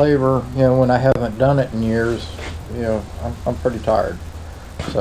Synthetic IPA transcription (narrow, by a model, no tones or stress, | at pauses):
leɪvə˞jɨnoʊwə̃naɪɦævɨ̃nd̥ʌ̃nɨɾn̩jɪɹz̥jɨnoʊã̰ɪ̃mãɪ̃mpʰɹ̥ɪɾitʰaɪə̰˞d̥̚ | so